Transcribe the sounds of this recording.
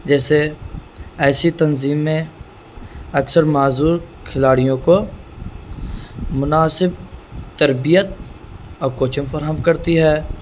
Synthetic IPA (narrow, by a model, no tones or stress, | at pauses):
d͡ʒɛːse | ɛːsit̪ɐnziːmːẽ | ɐksəɾmaːzuːɾkʰɪlaːɽijõko | mʊnaːsɪb̚t̪əɾbijət̪̚ | ɔːɾkoːt͡ʃə̃mfəɾɦəmkɐɾt̪iɦɛː